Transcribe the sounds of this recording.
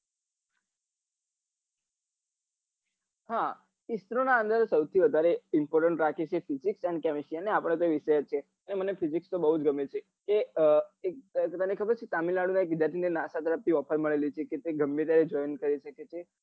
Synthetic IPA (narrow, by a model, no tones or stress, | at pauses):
ha | ist̪ɾonaə̃nd̪əɾsəwt̪ʰiʋəd̪ʱaɾeɪmpɔɾʈəɳʈɾakʰet͡ʃʰefiziksɛnkɛmisianeapəɽ̃et̪̬oeʋiʃəjət̪̚t͡ʃʰe | ənemənefizikst̪obəɦud͡ʒɡʱəmet͡ʃʰe | keek̚ət̪ənekʰəbəɾt͡ʃʰet̪amilaɽunaek̚ɡid͡ʒat̪ʰinenasat̪əɾəp̚t̪ʰiɔpʰəɾməɭelit͡ʃʰeket̪eɡʱəmːet̪̬jaɾed͡ʒɔjnkəɾiʃəket͡ʃʰe